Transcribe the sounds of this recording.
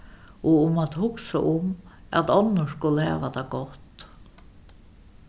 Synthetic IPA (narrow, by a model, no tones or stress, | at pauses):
ɔʊmat̪hʊksaʔʊma̰t̪ɔnːəskʊləhæ̰ːʋad̪aɡɔt̪